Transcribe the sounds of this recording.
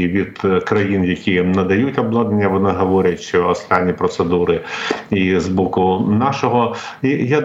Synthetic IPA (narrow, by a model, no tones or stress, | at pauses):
ʋʲid̪̥kɾɐjinjɐkʲinɐd̪ɐjutʲɔblˠɔd̪nenʲːɐʋɔnɪɦɔʋɔɾʲɐtʲʃt͡ʃɔːst̪ɑnʲːipɾɔt̪sed̪uɾɪizbɔkʊnɑʃɔɦɔija